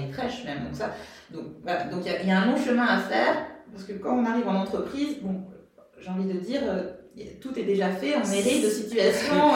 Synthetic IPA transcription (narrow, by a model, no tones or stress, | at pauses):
efχɛʃmɛmd̪ɔ̃ksad̪ɔ̃k̚vala̰d̪ɔ̃kjajaɛ̃lɔ̃ʃəmɛ̃afɛʁpaʁsəkəkɑ̃ɔ̃naʁivɑ̃nɑ̃t̪χəpχizbɔ̃ | ʒeɑ̃vid̪əd̪iːʁøt̪ut̪ɛd̪eʒafɛɔ̃neʁid̪əsit̪yasjɔ̃